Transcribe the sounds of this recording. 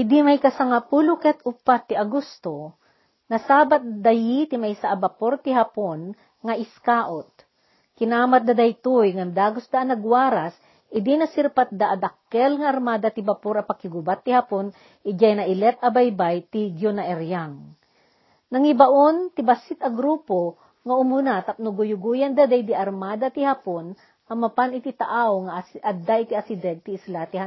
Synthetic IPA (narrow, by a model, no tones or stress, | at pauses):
ʔɪd̪imɐjkɐsaŋapulʊkɛt̪ʊpat̪ːɪɐɡust̪o | nɐsaːbat̪̚d̪ɐjit̪ɪmajsaʔːbɐpoɾt̪ɪɦɐpon | ŋɐʔɪskaːʔot̪̚ | kɪnaːmat̪̚d̪ɐd̪ɐjt̪ojŋand̪aːɡʊsd̪aʔːnɐɡwaːɾas | ʔɪd̪inɐsɪɾpat̪̚d̪aʔːd̪ɐkːɛlŋɐʔːɾmaːd̪ɐt̪ɪbapoɾɐpɐkɪɡʊbat̪ːɪhapon | ʔɪd͡ʒajnɐʔɪlɛt̪̚ɐbajbajt̪iɡjonɐʔɛɾjaŋ | nɐŋɪbaʔont̪ɪbasɪt̪ɐɡɾuːpo | ŋɐʔʊmʊnat̪ɐp̚nʊɡʊjʊɡujɐnd̪ɐd̪ajd̪iʔɐɾmaːd̪ɐt̪ɪhapon | ʔɐmɐpanɪt̪ɪt̪ɐʔawŋɐɐd̪aʔɪt̪iɐsɪd̪ɛɡ̚t̪ɪːslat̪ɪha